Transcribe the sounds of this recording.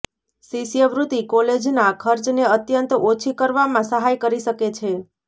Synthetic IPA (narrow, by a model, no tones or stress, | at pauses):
sisijəʋɾut̪ikoled͡ʒnakʰəɾt͡ʃneət̪jənt̪ot͡ʃʰikəɾʋamãsəɦajkəɾiʃəket͡ʃʰe